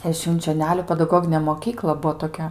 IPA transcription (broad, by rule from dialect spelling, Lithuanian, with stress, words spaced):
ɛ ʃʲʋʲɪnʲt͡ʃʲoːˈnʲæːlʲʊ pʲɛdɐˈɡoːɡʲɪnʲeː moːˈkʲiːklˠɐ ˈbuɔ toːˈkʲɛ